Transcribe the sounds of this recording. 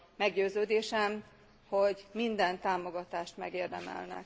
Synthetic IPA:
mɛɡɟøːzøːd̪eːʃɛm | hoɟmind̪ɛnt̪aːmo̞ɡɒt̪aːʃt̪mɛ̰ɡeːrd̪ɛmɛ̰lnɛ̰k

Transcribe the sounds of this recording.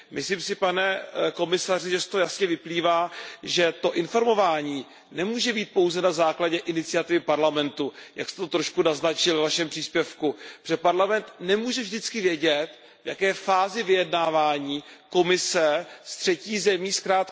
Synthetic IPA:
mɪsliːmsɪpanɛko̞mɪsar̝ɪʒɛst̪ojasɲɛvɪpliːvaːʒɛt̪o̞ʔɪnfo̞ɾmo̞vaːɲiː | nɛmuːʒɛbiːt̪̚po̞wzɛnazaːklaɟɛʔɪnɪt͡sɪjat̪ɪvɪpaɾlamɛnt̪uja̰kst̪ɛt̪ot̪ɾo̞ʃkunaznat͡ʃɪlvnaʃɛmpr̥iːspjɛfkupʒ̥ɛpaɾlamɛnt̪nɛmuːʒɛvʒdɪt͡skɪvjɛɟɛt̪ | vjakɛːfaːzɪvɪjɛdnaːvaːɲiːko̞mɪsɛst̪r̝̥ɛciːzɛmiːskɾaːt̪

